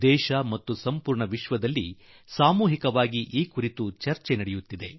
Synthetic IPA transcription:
ɛːʃɐmɐt̪ːusɐmpuːɾɳɐʋiʃʋɐd̪ɐlːi | saːmuːɦikɐʋaːɡiʔiːkuɾit̪ut͡ʃɐɾt͡ʃenɐɽejut̪ːid̪e̞

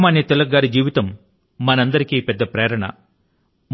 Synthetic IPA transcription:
maːnjɐt̪ɛlɐɡːaːɾid͡ʒiːʋit̪ɐmː | ɐnɐnd̪ɐɾikiːpɛd̪ːɐpɾɛːɾɐɳɐ̰ | m

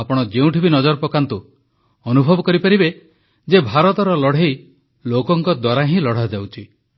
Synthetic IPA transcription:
apɔɽ̃ɔd͡ʒeũʈʰibinɔd͡ʒɔɾpɔkant̪u | ɔnubʱɔbɔkɔɾipaɾibe | d͡ʒebʱaɾɔt̪ɔɾɔlɔɽ̤ej | lokɔŋkɔd̪waɾaɦĩlɔɽ̤ad͡ʒawt͡ʃʰi

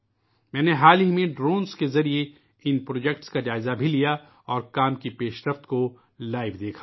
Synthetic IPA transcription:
mɛ̃ːneɦaːlimẽɖɾoːnskezɐɾie | ɪnpɾoːd͡ʒɛkʈskad͡ʒaːɪzabʱilija | ɔːɾkaːmkipeːʃɾəft̪ko | laːɪʋd̪eːkʰḁ

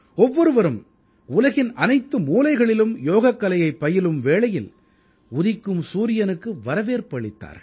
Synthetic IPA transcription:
ɔʋːɔɾɯʋɐɾɯm | ʊlɐɣɪnʔɐnɐɪt̪ːɯmuːlɐɪɣɐɭɪlɯmjoːɣɐkːɐlɐjɐɪpːɐjɪlɯmʋeːɭɐjɪl | ʊðɪkːɯmsuːɾɪjɐnɯkːɯʋɐɾɐʋeːɾpɐɭɪt̪ːa̰ːɾ

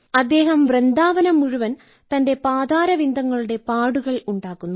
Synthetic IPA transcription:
ɐd̪ːe̞ːɦɐmʋrend̪aːʋɐnɐmuɻuʋɐn | t̪ɐnde̞paːd̪aːɾɐʋind̪ʱɐŋːɐɭuɽe̞paːɽuɣɐɭuɳɖaːkːunːu

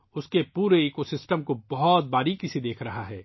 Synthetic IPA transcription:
ʊskepuːɾeiːkosɪsʈəmkobɔɦɔt̪̚baːɾikised̪eːkʰɾɐɦaɦɛː

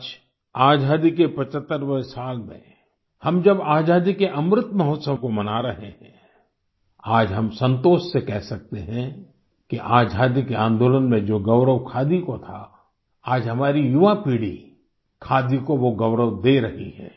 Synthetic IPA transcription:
d͡ʒ | aːd͡ʒaːd̪ikepɐt͡ʃət̪ːəɾʋəsaːlmḛ̃ | hɐmd͡ʒɐbaːd͡ʒaːd̪ikeʔɐmɾət̪mɐɦot̪səwkomɐnaɾɐɦeɦɛ̰̃ | aːd͡ʒɦɐmsə̃nt̪oːʃsekɛɦsɐk̚t̪eɦɛ̃ | kiʔaːd͡ʒʱaːd̪ikeãːnd̪oːlənmẽd͡ʒoːɡɐʋɾəʋkʰaːd̪ikot̪ʰa̰ | aːd͡ʒɦɐmaːɾijʊʋapiːɽḭ | kʰaːd̪ikoʋoɡɐʊɾəʋd̪eɾɐɦḭɦɛ̰̃ː

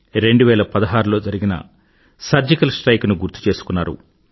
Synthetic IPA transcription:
ɾe̞ɳɖuʋɛːlɐpɐd̪ɐɦaːɾulo̞ːd͡ʒɐɾiɡinɐ̰ | sɐɾd͡ʒikɐlsʈɾɐjknuɡuɾt̪ːu̥t͡ʃe̞ːsu̥kunːaːɾṵ

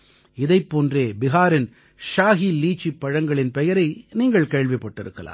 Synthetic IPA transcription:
ɪðɐɪpːoːndreːbɪɣaːɾɪn | ʃaːɣiliːt͡ʃːipːɐɻɐŋɡɐɭɪnpɛjɐɾɐɪniːŋɡɐɭkeːɭʋɪpːɐʈːɪɾɯ̰kːɐ̰la̰ː

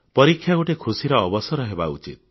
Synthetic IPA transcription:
pɔɾikʰːjaɡoʈekʰusiɾɔːbɔsɔɾɔɦeba̰ṵt͡ʃḭt̪̚

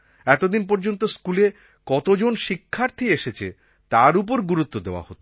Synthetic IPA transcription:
ɛt̪od̪inp̬ɔɾd͡ʑont̪oskule | kɔt̪od͡ʑonʃikʰːaɾt̪ʰieʃet͡ɕʰḛ | t̪aɾup̬oɾɡuɾut̪ːod̪eoa̰hot̪o̥

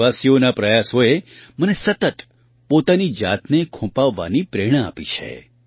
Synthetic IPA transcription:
asionapɾəjasoemənesət̪ət̪ | pot̪anid͡ʒa̰t̪nekʰũpaʋːa̰nipɾeɽ̃əa̰pit͡ʃʰḛ

